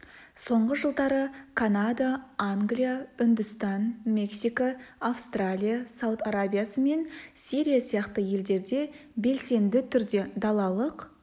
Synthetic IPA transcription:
so̞ɴʁəʒəlˠd̪ɑɾəkʰanad̪aaŋɡlʲijaʏnd̪ʏst̪ɑnme̞ksijkoafst̪ralʲijasawt̪aɾabʲijasəme̞nsiɾijasijɑqt̪əje̞ld̪e̞ɾd̪e̞ | be̞lse̞nd̪ɪt̪ʰʏɾd̪e̞d̪ɑlˠɑlˠəq

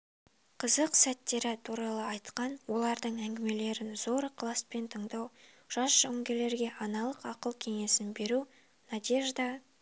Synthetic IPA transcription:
qʰəzəqsæt̪ːe̞ɾɪt̪ʰuɾɑlˠəɑjt̪qɑnwo̞lˠɑɾd̪əɴæŋɡʲɪme̞le̞ɾɪnzo̞ɾqʰlˠɑspe̞nt̪ʰəɴd̪ɑw | ʒ̥ɑsʒ̥ʏŋɡʲe̞le̞ɾɡʲe̞ʔɑnɑlˠəqɑqəlˠkʲʰe̞ŋe̞sɪnbe̞ɾu | nɑd̪ʲe̞ʒd̪ɑ

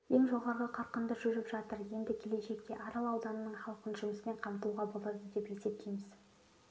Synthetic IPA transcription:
je̞ŋʒo̞ʁɑɾʁəqʰɑɾqənd̪əʒʏɾɪpʒɑt̪əɾje̞nd̪ɪkʲʰe̞le̞ʃe̞kt̪e̞ʔɑɾɑlˠɑwd̪ɑnənəɴχɑlˠqənʒʊməsɪme̞ɴqʰɑmt̪uʁɑbo̞lˠɑd̪əd̪e̞pje̞se̞p̚t̪ʰejmɪz

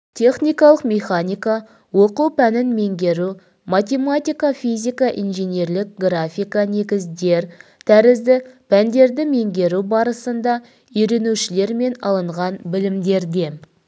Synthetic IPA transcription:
t̪ʲʰe̞χnʲijkɑlˠəqmʲe̞χanʲijka | woquwpʰænɪnme̞ŋɡʲe̞ɾu | mat̪ʲe̞mat̪ʲijkafʲizʲijkɑʔḭnʒene̞ɾlɪk̚ɡrafʲijkane̞ɡʲɪzd̪e̞ɾt̪ʰæɾɪzd̪ɪpʰænd̪e̞ɾd̪ɪme̞ŋɡʲe̞ɾubɑɾəsənd̪ɑ | ʏjɾe̞nuʃɪle̞ɾme̞nɑ̰lˠəɴʁɑnbɪlɪmd̪e̞ɾd̪e̞

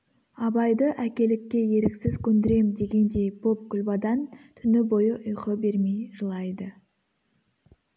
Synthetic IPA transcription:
ɑbɑjd̪əʔækʲe̞lɪkʲːe̞je̞ɾɪksɪzkʲʰɵnd̪ɪɾe̞md̪e̞ɡʲe̞nd̪e̞jbo̞p̚kʲʰʏlbɑd̪ɑnt̪ʰʏnɪbo̞jəʔʊjqəbe̞ɾme̞jʒəlˠɑjd̪ə

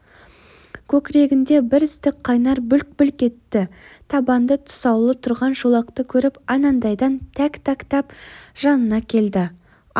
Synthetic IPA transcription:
kʲʰɵkʲɾe̞ɡʲɪnd̪e̞bɪɾɪst̪ɪk̚qʰːɑjnɑɾbʏlk̚bʏlkʲe̞t̪ːɪt̪ʰɑbɑnd̪ət̪ʰʊ̥sɑwlˠət̪ʰʊɾʁɑnʒulˠɑqt̪əkʲʰɵɾɪpɑnɑnd̪ɑjd̪ɑnt̪ʰækt̪ækt̪ɑpʒ̥ɑnənɑkʲʰe̞ld̪ɪ

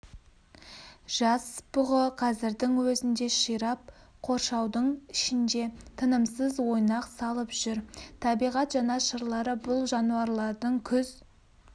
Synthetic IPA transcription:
ʒ̥ɑsbʊʁəqʰɑzɪɾd̪ɪŋwɵzɪnd̪e̞ʃijɾɑp̚qʰo̞ɾʃɑwd̪əɴɪʃɪnd̪e̞t̪ʰənəmsəzwo̞jnɑqsɑlˠəpʒ̥ʏɾt̪ʰɑbijʁɑt̪ʒɑnɑʃəɾlˠɑɾəbʊlˠʒɑnuɑɾlˠɑɾd̪əɴkʲʰʏz

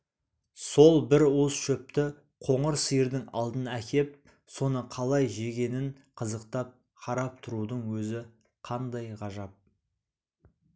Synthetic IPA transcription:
so̞lˠbɪɾusʃɵp̚t̪ɪ | qʰo̞ɴəɾsəjəɾd̪ɪŋɑ̰lˠd̪ənækʲe̞p̚ | so̞nəqʰɑlˠɑjʒe̞ɡʲe̞nɪn | qʰəzəqt̪ɑp̚ | qʰɑɾɑp̚t̪ʰʊɾud̪əɴwɵzɪ | qʰɑnd̪ɑjʁɑʒɑp̚

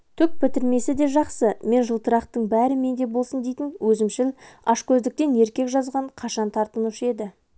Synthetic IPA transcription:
t̪ʰʏk̚pʰɪt̪ɪɾme̞sɪd̪e̞ʒɑqsəme̞nʒəlˠt̪əɾɑqt̪əɴbæɾɪme̞nd̪e̞bo̞lˠsənd̪e̞jt̪ɪnwɵzɪmʃɪlɑʃkʲʰɵzd̪ɪk̚t̪e̞ne̞ɾkʲe̞kʒɑzʁɑɴqʰɑʃɑnt̪ʰɑɾt̪ənuʃəe̞d̪ɪ

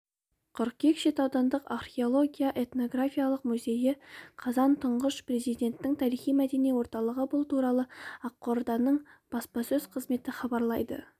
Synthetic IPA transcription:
qʰʊɾq̚kʲʰe̞kʃet̪ɑwd̪ɑnd̪əqarχʲe̞o̞lˠo̞ɡʲijaʔe̞t̪no̞ɡrafʲijalˠəqmuze̞jɪqʰɑzɑnt̪ʰəɴʁəʃpre̞zijd̪e̞nt̪ːɪŋt̪ʰɑɾijχijmæd̪e̞nijwo̞ɾt̪ɑlˠəʁəbʊlˠt̪ʰuɾɑlˠəɑqːoɾd̪ɑnəɴb̥ɑspɑsɵz̥qʰəzme̞t̪ɪχɑbɑɾlˠɑjd̪ə̰

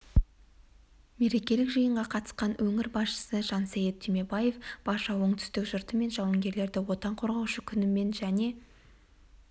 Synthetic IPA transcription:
me̞ɾe̞kʲe̞lɪkʒəjəɴʁɑqʰɑt̪ə̥sqɑnwʔɵŋɪɾbɑsʃə̥səʒ̥ɑnsæjet̪̚ʰːyme̞baje̞fb̥ɑʃɑwəɴt̪ʰʏ̥st̪ɪkʒʊɾt̪əme̞nʒɑwɑŋɡʲe̞ɾle̞ɾd̪ɪwo̞t̪ɑɴqʰo̞ɾʁɑwʃəkʲʰʏnɪme̞nʒæne̞

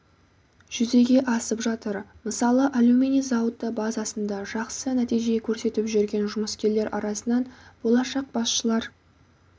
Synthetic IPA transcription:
ʒ̥ʏze̞ɡʲe̞ʔɑsəpʒɑt̪əɾməsɑlˠəʔalumʲinizawt̪ːəbazɑsənd̪ɑʒɑqsənæt̪ijʒekʲʰɵɾse̞t̪ɪpʒʏɾɡʲe̞nʒʊməskʲe̞le̞ɾʔɑ̰ɾɑsənɑnb̥o̞lˠɑʃɑq̚b̥ɑsʃəlˠɑɾ

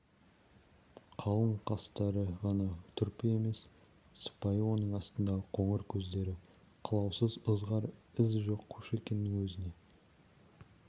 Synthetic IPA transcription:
qʰɑlˠəɴqʰɑst̪ɑɾəʁɑnɑt̪ʰʏɾpɪe̞me̞s | sə̥pɑjəwo̞nəɴɑst̪ənd̪ɑʁəqʰo̞ɴəɾkʲʰɵzd̪e̞ɾɪ | qʰəlˠɑwsəzəzʁɑɾɪzʒo̞qʰːuʃe̞kʲe̞nːɪŋwɵzɪne̞

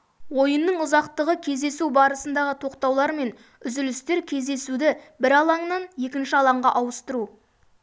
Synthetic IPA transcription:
wo̞jənːəɴʊzɑqt̪əʁəkʲʰe̞zd̪esubɑɾəsənd̪ɑʁət̪ʰo̞qt̪ɑwlˠɑɾme̞n | ʏzɪlɪst̪e̞ɾkʲʰe̞zd̪e̞sud̪ɪbɪɾɑlˠɑɴnɑnje̞kʲɪnʃɪɑlˠɑɴʁɑʔɑwəst̪əɾu

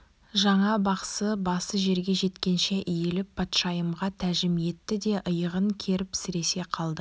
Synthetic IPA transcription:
ʒɑɴɑbɑqsəbɑsəʒe̞ɾɡʲe̞ʒe̞t̪kʲe̞nʃeʔʏjelɪp̚ːʰɑt̪ʃɑjəmʁɑt̪ʰæʒɪmije̞t̪ːɪd̪e̞ʔəjəʁəŋkʲʰe̞ɾɪpsɪɾe̞se̞qʰɑlˠd̪ə

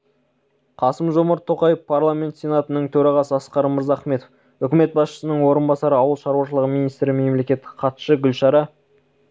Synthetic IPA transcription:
qʰɑsəmʒo̞mɑɾt̪ʰːo̞qɑjəfpʰarlˠamʲe̞nt̪sʲe̞nat̪ənəɴt̪ʰɵɾɑʁɑsəɑsqɑɾəməɾzɑχme̞t̪of | ʏkʲɪme̞t̪̚bɑsʃə̥sənəɴwo̞ɾənbɑsɑɾəɑwəlˠʃɑɾuwɑʃəlˠəʁminijst̪ɾɪme̞mle̞kʲe̞t̪ːɪ̥qʰɑt̪ʃəɡʲʏlʃɑɾɑ

